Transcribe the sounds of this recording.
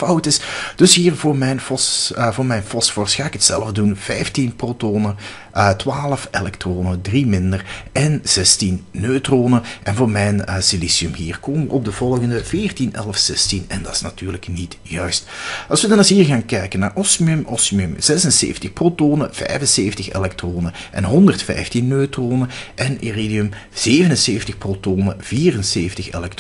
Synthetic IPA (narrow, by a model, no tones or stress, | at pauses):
fɑwtɪsd̥ɵsɦiːrvoːrmɛjnfɔsvoːrmɛjnfɔsfɔrsxaːɪkətsɛ̰ləvdunv̥ɛjftinprotoːnə | ʔətʋaːləfelɛktroːnədrimɪndərʔɛnz̥ɛstinːøːtroːnəʔɛnvoːrmɛjnəsilisiɵmɦiːrkoːməʋəʔɔb̚dəvɔlˠɣəndəvɪːrtinɛ̰lˠfsɛstinɛndɑɪ̥snɑtyːrləknitjœɥstɑ̰lˠsʋədɑnɑshiːrɣaːnkɛjkənːaːrʔɔsmɵmʔɔsmɵmz̥ɛsənsḛːfətəxprotoːnəv̥ɛ̰jvənseːftəxḛlɛktroːnəʔɛnɦɔndərtfɛ̰jftinːøːtroːnəʔɛneridiɵm | z̥eːvənənseːftəxprotoːnəviːrənseːftəxḛlɛk̚t